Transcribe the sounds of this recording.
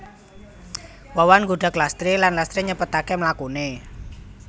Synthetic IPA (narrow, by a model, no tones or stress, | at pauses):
wawanɡuɖ̥ä̤klast̪ɾilanlast̪ɾiɲəpət̪akemlakune